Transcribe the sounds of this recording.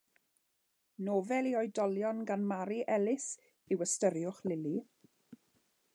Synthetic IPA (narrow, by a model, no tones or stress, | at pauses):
noːvɛliɔjdɔljɔnɡanmaɾiʔɛlɪs | ɪwəstəɾjʊχlɪli